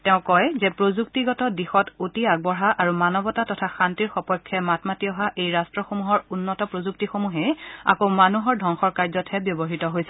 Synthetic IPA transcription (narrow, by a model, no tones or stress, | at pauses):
tɛ̃ʊ̃kɔjzɛpɹozuk̚tiɡɔtɔdixɔtotiaɡ̚bɔɹɦaʔaɹumanɔbɔtatɔtʰaxantiɹxɔpɔjkʰːɛmatmatiɔɦaʔejɹastɹɔxomuɦɔɹunːɔtɔpɹozuk̚tixomuɦɛa̰komanuɦɔɹdʱɔŋxɔɹkaɹzɔtʰhɛbjɔbɔɦitɔɦojsɛ